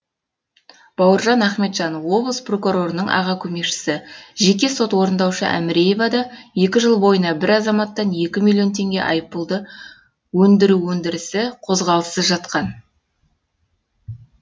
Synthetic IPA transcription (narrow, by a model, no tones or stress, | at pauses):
b̥ɑwəɾʒɑnæχme̞t̪ʒ̥ɑnwo̞blˠəspro̞kuɾo̞ɾənəɴɑ̰ʁɑkʲʰɵme̞kʃɪ̥sɪʒe̞k̬ʲe̞so̞t̪wo̞ɾənd̪ɑwʃə̰ʔæ̰mɪɾe̞je̞vɑd̪ɑje̞kʲɪʒəlˠbo̞jənɑbɪɾɑzɑmɑt̪ːɑnje̞kʲɪmilʲˠijo̞nt̪ʰe̞ŋɡʲe̞̰ʔɑ̰jəpəlˠd̪ə | wɵnd̪ɪɾuwɵnd̪ɪɾɪsɪqʰo̞zʁɑlˠəsəzʒɑt̪qɑn